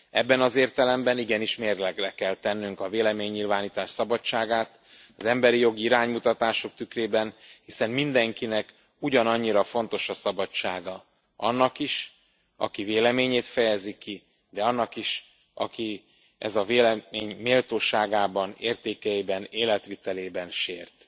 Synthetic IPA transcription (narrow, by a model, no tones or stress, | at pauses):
ɛbːɛnɒzeːrt̪ɛlɛmbɛniɡɛniʃmeːrlɛɡlɛkɛlt̪ɛnːyŋkɒveːlɛmeːɲːilvaːniːt̪aːʃsɒbɒt͡ʃːaːɡaːt̪ | ɒzɛmbɛɾijo̞ɡiiɾaːɲmut̪ɒt̪aːʃo̞k̚t̪ykreːbɛnhisɛmmind̪ɛŋkinɛk | uɟɒnɒɲːiɾɒfo̞n̪t̪o̞ʃɒsɒbɒt͡ʃːaːɡɒ | ɒ̰nːɒkiʃ | ɒ̰kiveːlɛmeːɲeːt̪fɛjɛzikːi | d̪ɛɒnːɒkiʃ | ɒ̰ki | ʔɛ̰zɒveːlɛmeːɲmeːlt̪oːʃaːɡaːbɒneːrt̪eːkɛjibɛneːlɛt̪ʋit̪ɛleːbɛnʃḛːrt̪